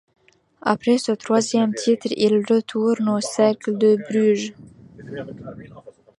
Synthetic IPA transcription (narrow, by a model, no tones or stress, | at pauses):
a̰pχesət̪χwazjɛmt̪ʰit̪χḭlʁət̪ʰuʁnosɛkld̪əbɾyʒ